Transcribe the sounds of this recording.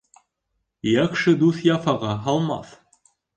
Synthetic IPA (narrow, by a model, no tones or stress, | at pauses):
jækʃɘd̪uθjɑfɑʁɑɦɑlˠmɑ̰θ